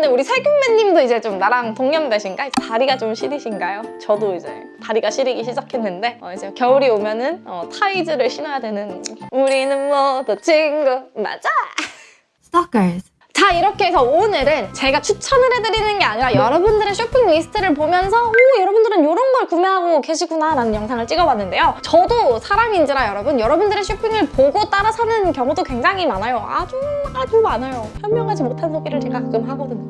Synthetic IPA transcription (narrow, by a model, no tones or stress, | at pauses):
ndeuɾisʰaɭɡjoŋmeɲːimdoid͡ʑe̞t͡ɕomnaɾaŋtoŋɲjʌmbeɕʰinɡaietaɾiɡat͡ɕomɕʰiɾiɕʰinɡajot͡ɕʌdoid͡ʑḛ | taɾiɡaɕʰiɾiɡiɕ̬ʰid͡ʑakʰe̞nːɯnde̞ʌid͡ʑekjʌuɾiomjʌnɯnʌtʰaid͡ʑɯɾɯɭɕʰinajadwe̞nɯnuɾinɯmːʌtot͡ɕʰiŋɡɯma̰d͡ʑa | aka | t͡ɕaiɾʌkʰeesʰʌonɯɾɯnt͡ɕe̞ɡat͡ɕʰut͡ɕʰʌnɯɾe̞dɯɾinɯnɡe̞aɲiɾajʌɾʌbundɯɾe̞ɕʰopʰiŋlisʰɯ̥tʰɯɾɯɭpomjʌnsʰʌojʌɾʌbundɯɾɯnjoɾʌnɡʌɭkumeɦaɡoke̞ɕʰiɡunaɾanɯnjʌŋsʰaŋɯɭt͡ɕ͈iɡʌbwanːɯnde̞jot͡ɕʌdosʰaɾamind͡ʑiɾajʌɾʌbunjʌɾʌbundɯɾe̞ɕʰopʰiŋɯɭpoɡot͈aɾasʰʌnɯnkjʌŋudokwe̞ŋd͡ʑaŋimanajoa̰t͡ɕomaɭtomanajoçjʌmmjʌŋɦad͡ʑimotʰansʰoɡiɾɯɭt͡ɕe̞ɡat͡ɕomhaɡʌdɯɲ